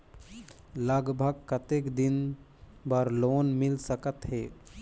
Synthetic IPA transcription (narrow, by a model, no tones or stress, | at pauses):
ləɡbʱəɡkət̪eːkd̪ɪn | bəɾloːnmɪlsəkət̪ɦeː